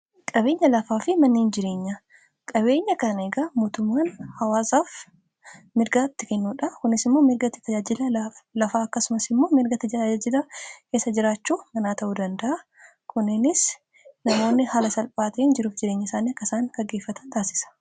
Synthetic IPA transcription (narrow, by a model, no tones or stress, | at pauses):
kʼɐβe̞ːɲːɐlɐfaːfɪmɐnːeːnd͡ʒɪɾe̞ːɲːɐ | kʼɐbe̞ːɲːɐkɐneːɡamoːt̪ʊmːaːnhɐwaːsaːf | mɪɾɡat̪ːɪkɛnːuːᶑɐkʊnɪsɪmːo̞ːmɪɾɡɐt̪ɪ̥t̪ɐd͡ʒaːd͡ʒɪlɐlɐfaːɐkːɐsʊmɐsɪmːo̞ːmɪɾɡɐt̪ɪd͡ʒɪlɐkeːsːɐd͡ʒɪɾaːt͡ʃːuːmɐnaːt̪ɐʔuːd̪ɐnd̪ɐʔɐ | kʰʊnɪnɪs | nɐmo̞ːnːɪhaːlɐsɐlpʼaːt̪eːnd͡ʒɪɾuːfd͡ʒɪɾeːɲːɐɪsaːniɐkːɐsaːŋkɐɡe̞ːfːɐt̪ʰɐ̥nt̪aːsɪ̥sɐ̥